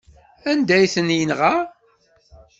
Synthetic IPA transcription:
ænd̪æjθənjənʁa

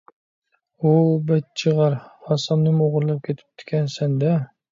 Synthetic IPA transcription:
ubɛt̪̚t͡ʃʰɨʁɑɾɑsɑmnɪmoʁʊɾlˠɑp̚kʲʰet̪ʰɪ̥p̚t̪ʰɪ̥kʲʰænsænd̪a

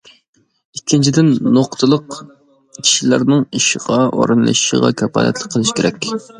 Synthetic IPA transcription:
ikʲʰːint͡ʃʰid̪ɪnːoqt̪ʰɨlˠəq | kʲʰi̥ʃilæɾnɨŋiʃɪʁɑʔo̰ɾɨnlˠɨ̰ʃʃəʁɑ̰kʲʰɑpɑ̰ːlɛ̰t̪lˠək̚ʲqʰːəlˠɨʃkʲeɾʔɛkʲ

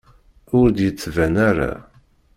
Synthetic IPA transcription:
ʊɾd̪jət͡sːvænaɾa̰

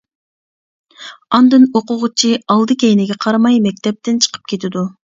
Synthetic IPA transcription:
ɑnd̪ɨnoqʊʁʊt͡ʃʰiɑlˠd̪ɨkʲɛjnɪɡʲɛqʰɑɾmɑjmɛk̚ʲt̪ʰɛp̚t̪ɪnt͡ʃʰə̥qʰə̥p̚kʲʰet̪ʰɪd̪u

